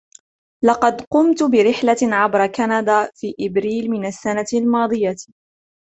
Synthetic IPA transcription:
lɑqɑd̪qʊmt̪bɪɾɪħlaʕabɾˤɑkanad̪aːfiːʔɪbɾiːlmɪnasːanalmɑːd̪ˤɨja

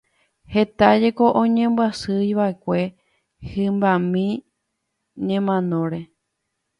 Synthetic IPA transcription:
he̞t̪ad͡ʒe̞ko̞ʔõɲẽ̞mbwasɨjʋae̞kʷe̞ | hɨ̃mbamĩ | ɲẽ̞mãnõɾe̞

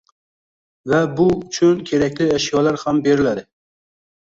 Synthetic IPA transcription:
vɛbʊt͡ʃʰʊnkʲʰeɾɛkʲlɪɛʃjɑlˠaɾhambeɾɪlæd̪ɪ

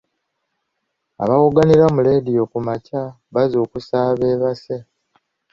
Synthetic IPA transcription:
a̰βawuɡaniɾamule̞ːdijo̞kumaca | βazo̞ːkusaːβe̞ːβase

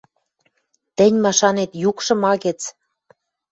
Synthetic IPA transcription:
t̪ɘ̆nʲmɑʃɑnet̪jukʃɤ̆mɑɣĕt͡s

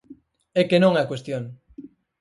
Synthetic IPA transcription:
ekenõŋɛkwest̪joŋ

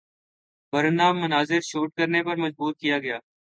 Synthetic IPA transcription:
bəɾənaːmːʊnaːzɪɾʃuːʈ̚kəɾneːpɐɾməd͡ʒbuːɾ̚kijaːɡɐjaː

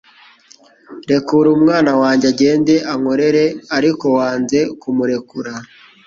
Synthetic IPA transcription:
ɾe̞kuɾumŋaːnawaːɲɟaɟe̞ːnde̞ʔaŋo̞ɾe̞ɾe̞aɾiko̞waːnze̞kumuɾe̞kuɾa

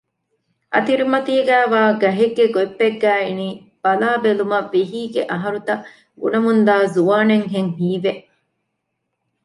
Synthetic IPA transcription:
ʔɐ̰t̪iɾimɐt̪iːɡæːʋaːɡɐɦeɡːeɡoepːeɡːæːiniː | b̥ɐlaːbelumɐʋːiɦiːɡeʔɐɦɐɾut̪ɐ | ɡṵnɐmund̪aːzuʋaːneŋɦeŋɦiːʋeʔ

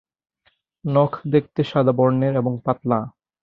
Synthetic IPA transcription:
nɔkʰd̪ek̚ʰt̪eʃad̪abɔɾneɾeboŋpat̪la

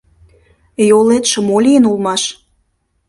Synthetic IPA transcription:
jolet̪ʃə̆molʲijənulˠmɑʃ

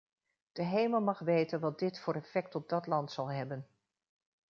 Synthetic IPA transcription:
d̥əɦejməlˠmɑχʋejtənʋɑd̚dɪtfʊːɾɛfɛk̚tɔb̚dɑtlɑntsɑlˠɦɛbən

